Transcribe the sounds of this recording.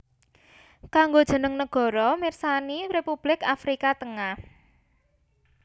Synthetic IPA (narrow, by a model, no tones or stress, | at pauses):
kaŋɡod̥ʒ̥ə̤nəŋnəɡ̥ɔ̤ɾɔmirsanirepub̥lɪkafɾikat̪əŋah